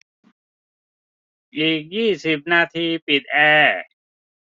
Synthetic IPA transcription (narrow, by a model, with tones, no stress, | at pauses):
ʔiː˨˩k̚jiː˥˩si˨˩p̚naː˧t̪ʰiː˧pi˨˩t̪̚ʔɛː˧